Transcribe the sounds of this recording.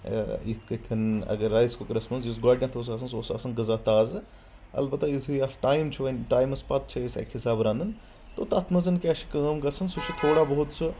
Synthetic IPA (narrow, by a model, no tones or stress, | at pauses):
ikɐkʰɐnɐ̰ɡɐɾːaːjzkokɐɾɪsmɐns̬jus̬ɡaːɖnʲãt̪ʰoːs̬aːsɐnsoːsa̰ːsɐnɡɐzaːt̪aːz | ɐ̰lbɐt̪ːɐjisiaʈaːjmt͡ʃʰiʋɐnʈaːjmɐspɐt̪̚t͡ʃʰiisa̰kʰhisaːbɾãːnd̪ɨn | t̪ot̪ɐt̪ʰmɐzɐnkʲɛʃi̥kəːmɡɐsɐnsot͡ʃʰit̪ʰoːɽabɐɦut̪sɨ